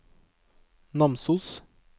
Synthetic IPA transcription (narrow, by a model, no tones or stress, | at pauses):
nɑmsʊs